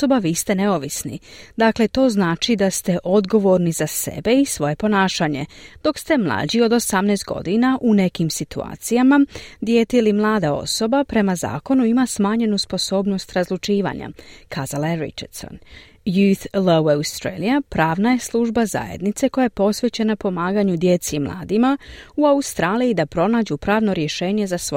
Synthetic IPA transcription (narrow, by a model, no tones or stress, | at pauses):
o̞baʋiːst̪e̞ne̞oʋisnḭd̪aːkle̞t̪o̞ːznaːt͡ʃid̪ast̪e̞ʔo̞d̪ɡo̞ʋo̞ɾnizasḛbe̞isʋo̞je̞po̞naːʃaɲe̞̰d̪̥o̞kst̪e̞mlˠa̰ːd͡ʒd͡ʑio̞d̪o̞samneːst̪̚ɡo̞̰d̪inaʔune̞kimsit̪ua̰ːt̪sijamad̪jeːt̪elimlˠaːd̪ao̞̰so̞bapɾe̞maza̰ːko̞nuimasmaːɲe̞nuspo̞so̞ːbno̞st̪ɾazlˠut͡ʃiːʋa̰ɲa̰kʰaːzalaeɾḭt͡ʃa̰ɾd̪so̰n | juːθlowaust̪ɾḛːlijapɾaːʋnaje̞slˠuʒbaza̰je̞̰d̪nit̪se̞ko̞jajepo̞sʋet͡ɕenapo̞maːɡaɲud̪je̞t̪semlˠa̰ːd̪imauaust̪ɾaːlijid̪apɾo̞naːd͡ʑupɾaːʋno̞ɾje̞ʃe̞ːɲe̞zasʋo